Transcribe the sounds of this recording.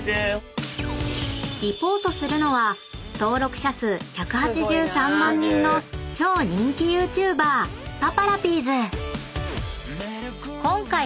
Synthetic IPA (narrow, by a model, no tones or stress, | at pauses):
ɾʲipo̞ːt̪o̞sɨɾɯ̟no̞βa | t̪o̞ːɾo̞kɯ̟̥ɕasɨçakɯ̟hat͡ɕiʑɨːsãmːãɲ̟ːĩnːo̞t͡ɕo̞ːɲ̟ĩŋkʲijɯːt͡ɕɨːbaːpapaɾapʲiːzɨ | kõ̞ŋkai